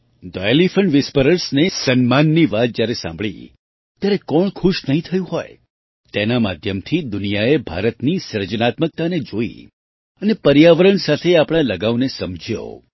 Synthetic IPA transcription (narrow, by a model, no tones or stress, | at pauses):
d̪ɔjelifəɳɖʋɪspəɾəɾsnesənmanːiʋat̪̚d͡ʒjaɾesã̰mbɭḭ | t̪jaɾekɔɳkʰʊʃnəɦĩt̪ʰəjũɦɔj | t̪enama̰d̪ʱjəmt̪ʰid̪ʊnijaebʱa̰ɾət̪nisəɾd͡ʒənat̪mək̚t̪aned͡ʒoḭ | ənepəɾjaʋəɾəɳsat̪ʰeapɽ̃ãləɡaʋnesəmd͡ʒʱijo̰